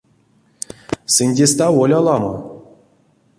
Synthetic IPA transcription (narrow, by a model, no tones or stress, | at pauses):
sɨnʲdʲest̪avolʲɑlˠɑmɤ̰